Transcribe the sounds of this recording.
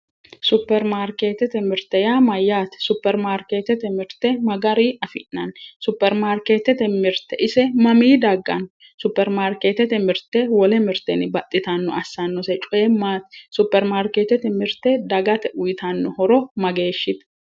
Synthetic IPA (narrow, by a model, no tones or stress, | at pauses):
sʊpːɛɾmaːɾkeːt̪ɛt̪ɛmɪɾt̪ɛjaːmɐjːaːt̪ɛ̥sʊpːɛɾmaːɾkeːt̪ɛt̪ɛmɪɾt̪ɛmɐɡɐɾiːɐfɪ̰nːɐnsʊpːɛɾmaːɾkeːt̪ɛt̪ɛmɪɾt̪ɛʔɪsɛmɐmiːd̪ɐɡːɐ̰n | sʊpːɛɾmaːɾkeːt̪ɛt̪ɛmɪɾt̪ewɔlɛmɪɾt̪ɛnɪbɐt̪ʼːɪt̪anːɔʔɐsːanːɔsɛt͡ʃʼʊʔemaːt̪sʊpːɛɾmaːɾkeːt̪ɛt̪ɛmɪɾt̪ɛd̪ɐɡɐt̪ɛʔʊjɪt̪anːɔhɔɾɔmɐɡe̞ːʃːɪt̪ɛ̥